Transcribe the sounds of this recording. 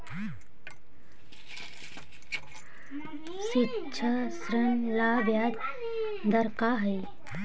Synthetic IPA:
ɕitːɕʰəsɾənlaʋjat̪ | d̪əɾkaɦəj

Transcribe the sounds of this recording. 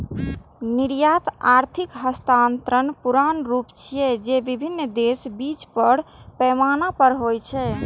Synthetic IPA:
niɽjat̪aɾt̪ʰikɦəst̪ant̪ɾənpuɾanɾupt͡ʃʰijɛd͡ʒebibʱinːd̪esbit͡ʃpəɾpɛmanapəɾɦojt͡ʃʰɛ

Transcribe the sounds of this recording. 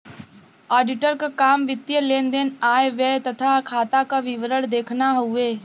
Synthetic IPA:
aːɖɪʈəɾkakaːmʋɪt̪jəlẽːnd̪enaːeʋɛːt̪ɐt̪ʰakʰaːt̪akaʋɪʋəɾəɽd̪eːkʰnaɦʊeː

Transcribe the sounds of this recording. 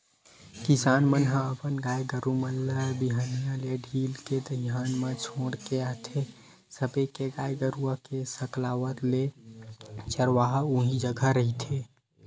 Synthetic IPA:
kɪsaːnmənɦə̃əpənɡaːjɡəɾuməlːabiɦanijaleɖʱiːlked̪əɦjaːnmãt͡ʃʰoːɽkeaɦt̪ʰe | səbekeɡaːjɡəɾuakesəklaːwət̪le | t͡ʃəɾʋaɦuɦĩd͡ʒəɡʱəɾəɦit̪ʰe

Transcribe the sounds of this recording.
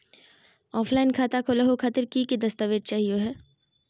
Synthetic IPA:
ɔːpʰlaːɪnkʰaːt̪akʰoːlaɦokʰat̪əɾkiked̪ɐst̪əʋeːd͡ʒ̪̚t͡ʃaːɦioɦɛː

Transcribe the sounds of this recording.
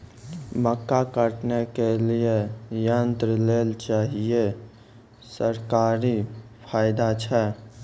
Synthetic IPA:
məkːakəʈnekelijejənt̪ɾəleːlt͡ʃaːɦije | səɾkaːɾipʰaːɪd̪at͡ʃʰɛ

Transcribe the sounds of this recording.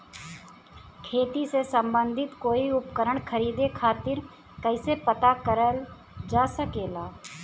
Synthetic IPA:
kʰeːt̪isesə̃mbə̃nd̪ʱɪt̪koːiʊpkəɾəɽ̃kʰəɾiːd̪ekʰaːt̪ɪɾ | kəɪsepət̪akəɾəl | d͡ʒaːsəkeːlaː

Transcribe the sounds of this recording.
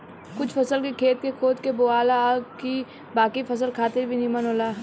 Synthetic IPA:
kʊt͡ʃʰfɐsəlkekʰeːt̪kekʰoːd̪keboːaːlːki | baːkifʰɐs̬əlkʰaːt̪ɪɾbʱinimənɦoːlaː

